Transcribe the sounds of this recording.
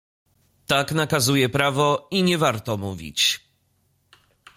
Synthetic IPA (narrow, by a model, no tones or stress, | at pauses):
t̪aknakazujɛpɾavɔiɲɛvaɾt̪ɔmuvʲḭt͡ɕ